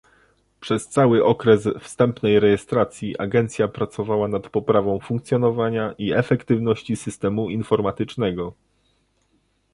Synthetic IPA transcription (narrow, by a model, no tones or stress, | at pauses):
pʂɛst̪sawɘʔɔkɾɛsfst̪ɛmpnɛjɾɛjɛst̪ɾat̪sʲjiʔa̰ɡɛnt̪sʲjapɾat̪sɔvawanat̪pɔpɾavɔ̃w̃fuŋkt̪sʲjɔnɔvaɲaʔiɛfɛkt̪ɘvnɔɕt͡ɕisɘst̪ɛmuinfɔɾmat̪ɘt͡ʂnɛɡɔ